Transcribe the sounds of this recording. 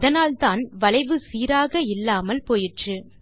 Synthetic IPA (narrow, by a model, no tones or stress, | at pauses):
ðɐnaːlt̪aːnʋɐlɐɪʋɯsiːɾaːɣɐɪlːaːmɐlpoːjɪʈrɯ